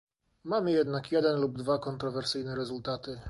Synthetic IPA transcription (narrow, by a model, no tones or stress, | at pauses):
mamɘjɛd̪nakjɛd̪ɛnlub̚d̪vakɔnt̪ɾɔvɛɾsɘjnɛɾɛzult̪at̪ɘ